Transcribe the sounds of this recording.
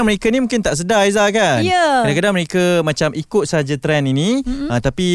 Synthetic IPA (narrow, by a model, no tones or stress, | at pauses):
ŋməɾekənimũŋkɪnt̪aʔs̬ədaizakanjəkadakadaŋməɾekəmat͡ʃamʔikʊt̪̚səɦad͡ʒat̪ɾɛniniət̪api